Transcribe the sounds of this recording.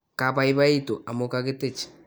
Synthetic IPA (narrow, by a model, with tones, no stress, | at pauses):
ka˨paiβa˦ito˨ʔa˨mokake˦te˦t͡ʃḁ